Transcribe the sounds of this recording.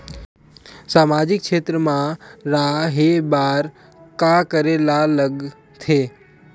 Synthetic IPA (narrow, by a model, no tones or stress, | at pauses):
saːmaːd͡ʒɪkkʰʃeːt̪ɾəmãɾaɦebaːɾ | kakəɾelaləɡ | t̪ʰeː